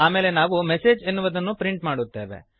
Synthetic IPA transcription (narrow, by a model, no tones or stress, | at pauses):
aːme̞ːle̞naːʋumese̞ːd͡ʒenːuʋɐd̪ɐnːupɾiɳʈmaːɽut̪ːe̞ːʋe̞̰